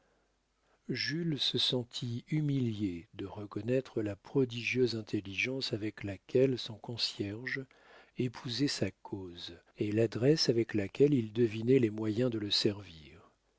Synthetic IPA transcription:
ʒylsəsɑ̃t̪ʰiymiljed̪əʁəkɔnɛt̪χəlapχɔd̪iʒjøzɛ̃t̪ʰeliʒɑ̃savɛklakʲʰɛlsɔ̃kɔ̃sjɛʁʒ | epʰuzɛsakʰoz | elad̪ʁɛsavɛklakʲɛlild̪əvinɛlɛmwajɛ̃d̪ələsɛʁviːʁ

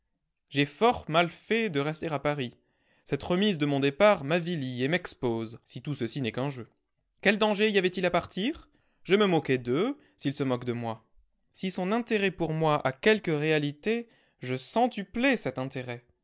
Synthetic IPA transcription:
ʒefɔʁmalfɛd̪əʁɛst̪eʁapaʁi | sɛt̪ʁəmizd̪əmɔ̃d̪epaʁmaviliemɛkspozsit̪usəsinɛkɛ̃ʒø | kʲɛld̪ɑ̃ʒeiavɛt̪ilapaʁt̪iʁ | ʒəməmɔkʲɛd̪ə | silsəmɔkd̪əmwa | sisɔ̃nɛ̃t̪eʁɛpuʁmwaʔakʲɛlkəʁealit̪e | ʒəsɑ̃t̪yplɛsɛt̪ɛ̃t̪eʁɛ

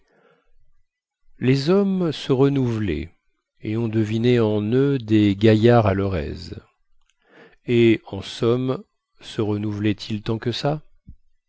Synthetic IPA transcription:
lezɔmsəʁənuvlɛ̰ | eɔ̃d̪əvineɑ̃nød̪eɡajaʁalœʁɛ̰z | eɑ̃sɔm | səʁənuvlɛt̪ʰilt̪ɑ̃kəsa

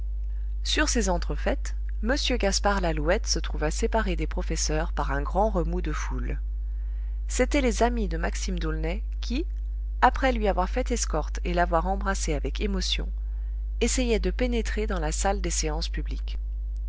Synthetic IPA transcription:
syʁsezɑ̃t̪χəfɛt̪ | məsjøɡaspaʁlaluɛt̪sət̪χuvasepaʁed̪epχɔfɛsœʁpaʁɛ̃ɡʁɑ̃ʁəmud̪əful | set̪ɛlezamid̪əmaksimd̪ulnɛ | kʲʰi | apχɛlɥiavwaʁfɛt̪ɛskɔʁt̪elavwaʁɑ̃bʁaseavɛkemɔsjɔ̰̃ | esejɛd̪əpenet̪χed̪ɑ̃lasald̪eseɑ̃spyblik

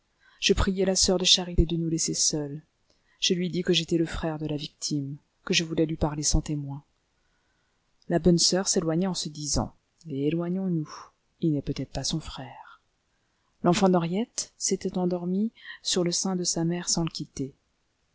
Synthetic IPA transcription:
ʒ̥əpχijɛlasœʁd̪əʃaʁit̪ed̪ənulɛsesœl | ʒ̥əlɥid̪ikəʒet̪ɛləfχɛʁd̪əlavik̚t̪ʰim | kəʒəvulɛlɥipaʁlesɑ̃t̪emwɛ̃ | labɔnsœʁselwaɲɛɑ̃səd̪izɑ̰̃ | leelwaɲɔ̃nu | ilnɛpøt̪ɛt̪χpasɔ̃fχɛːʁ | lɑ̃fɑ̃d̪ɔʁjɛt̪set̪ɛt̪ɑ̃d̪ɔʁmisyʁləsɛ̃d̪əsamɛʁsɑ̃ləkʲit̪e

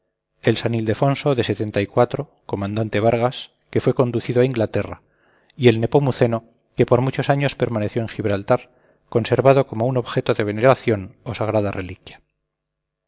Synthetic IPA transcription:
elsanild̪e̞fo̞nso̞ðe̞set̪e̞nt̪aikwat̪ɾo̞ | ko̞mãnd̪ant̪e̞βaɾɣ̞as | ke̞fwe̞ko̞nd̪uθiðoaiŋɡlat̪e̞ra̰ | ie̞lne̞pomuθe̞no̞ | ke̞po̞ɾmut͡ʃo̞saɲo̞spe̞ɾmane̞θjo̞e̞ŋxiβɾalt̪aɾ | ko̞nse̞ɾβað̞o̞ko̞mouno̞βxe̞t̪oðe̞β̞e̞neɾaθjo̞no̞saɣ̞ɾað̞arʔe̞likjḁ

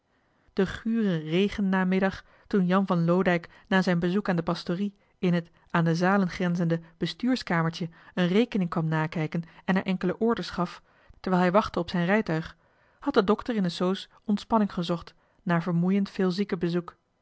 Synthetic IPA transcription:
d̥əχyːrərejχənːaːmɪdɑχ | tunjɑnvɑnlowdɛjk | naːzɛjnbəzukaːndəpɑstori | ɪnɦət | aːndəzaːlənχrɛnzəndəb̥əstyːɹskaːməɹtəənrejkənɪŋkʋɑmnaːkɛjkənɛnaɹʔɛŋkələʔʊːɹdəsχɑf | təɹɛːlˠɦɛjʋɑχtəɔpsɛjnrɛjtœɥχ | hɑt̚dədɔktəɹɪnəsows | ɔntspɑnɪŋχəzɔχt | naːɹvəɹmujəntfɪːlˠzikəbəzuk

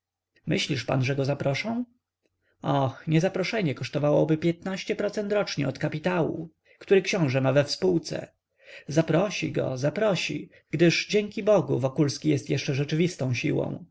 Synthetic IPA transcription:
mɘɕlʲiʂpa̰nʐɛɡɔzapɾɔʂɔ̃w̃ | ɔxɲɛzapɾɔʂɛɲɛkɔʂt̪ɔvawɔbɘpʲjɛt̪naɕt͡ɕɛpɾɔt̪sɛnt̪ɾɔt͡ʂɲɛ̰ɔt̪kapʲit̪awṵ | kt̪uɾɘkɕɔ̃w̃ʐɛmavɛfspuwt̪sɛ̰ | zapɾɔɕḭɡɔ̰zapɾɔɕḭ | ɡ̥d̪ɘʐd͡ʑɛŋkʲibɔɡuvɔkulskʲijɛst̪jɛʂt͡ʂɛʐɛt͡ʂɘvʲist̪ɔ̃w̃ɕḭwɔ̰̃w̃

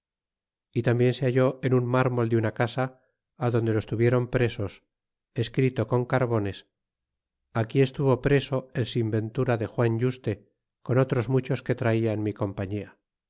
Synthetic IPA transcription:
it̪ambje̞nse̞aʝo̞e̞nunmaɾmo̞ld̪eunakasaː | ðond̪elo̞est̪uβje̞ɾo̞mpɾe̞so̞s | e̞skɾit̪o̞ko̞ŋkaɾβo̞ne̞s | akie̞st̪uβo̞pɾe̞so̞elsimbe̞nt̪uɾaðe̞xwaɲɟ͡ʝust̪e̞ | ko̞no̞t̪ɾo̞zmut͡ʃo̞ske̞t̪ɾaiaenmiko̞mpaɲia

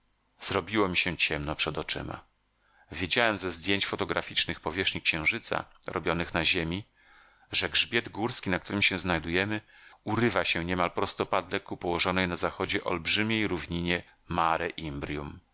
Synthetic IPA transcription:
z̥ɾɔbʲiwɔmʲiɕɛt͡ɕɛmnɔpʂɛd̪ɔt͡ʂɘ̰ma̰ | vʲjed͡ʑawɛmzɛzd̪ʲjeɲt͡ɕfɔt̪ɔɡɾa̰fʲit͡ʂnɘxpɔvʲjɛʂɲikɕɛ̃w̃ʐɘt̪sa̰ | ɾɔ̰bʲjɔnɘxnaʑemʲi | ʐɛɡʐbʲjɛd̪ɡuɾskʲinak̚t̪uɾɘmɕɛznajd̪ujɛmɘ | uɾɘvaɕɛɲɛmalpɾɔst̪ɔpad̪lɛkupɔwɔʐɔnɛjnazaxɔd͡ʑɛʔɔ̰lbʐɘmʲejɾuvɲiɲɛ | maɾɛʔimbɾʲjum

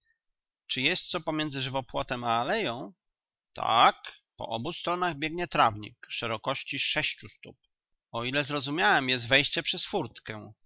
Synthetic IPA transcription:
t͡ʂɘjɛst̪sɔpɔmʲjɛnd̪zɘʐɘvɔpwɔt̪ɛmaːlɛjɔ̃w̃ | t̪ʰa̰kpɔ̰ʔɔbust̪ɾɔnaɣbʲjɛɡɲɛt̪ɾavɲḭkʂɛɾɔkɔɕt͡ɕiʂɛɕt͡ɕust̪up̚ | ɔilɛzɾɔzumʲjawɛmjɛs̬t̪vɛjɕt͡ɕɛpʂɛsfuɾt̪kɛ̃

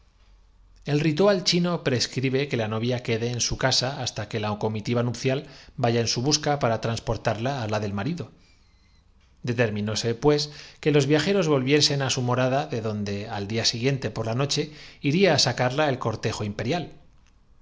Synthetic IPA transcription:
e̞lrit̪ualt͡ʃino̞pɾe̞skɾiβe̞ke̞lano̞βjake̞ðe̞ːnsukasaast̪ake̞laoko̞mit̪iβanupθjalbaʝaensuβ̞uskapaɾat̪ɾanspo̞ɾt̪aɾlaːlaðe̞lmaɾiðo̞ | d̪e̞t̪e̞ɾmĩno̞se̞pwe̞ske̞lo̞zβjaxe̞ɾo̞zβo̞lβje̞se̞nasumo̞ɾaðaðeðo̞nd̪e̞ald̪iasiɣje̞nt̪e̞po̞ɾlano̞t͡ʃe̞iɾiaːsakaɾlae̞lko̞ɾt̪e̞xo̞impe̞ɾjal

